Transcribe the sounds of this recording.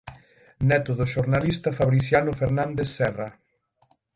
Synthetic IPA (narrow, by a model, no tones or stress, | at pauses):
nɛt̪oðoʃoɾnalist̪ɐfaβɾiθjanʊfeɾnãnd̪esːɛra